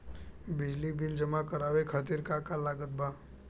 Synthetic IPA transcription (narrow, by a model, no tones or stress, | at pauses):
bɪd͡ʒlibɪld͡ʒəmakəɾaːwekʰaːt̪iɾkakalaːɡət̪̚baː